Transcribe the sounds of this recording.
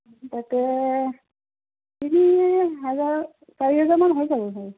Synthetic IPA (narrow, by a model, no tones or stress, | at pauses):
t̪atɛ | tiniɦɛzaɹ | kaɹiɦɛzaɹmanɦojzabɔɦɔj